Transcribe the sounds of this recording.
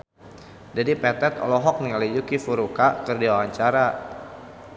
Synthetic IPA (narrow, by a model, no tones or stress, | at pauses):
dadipɛt̪ɛt̪ɔ̰lɔɦɔk̚niŋalid͡ʒukifuɾukakərdiwawaɲt͡ʃaɾa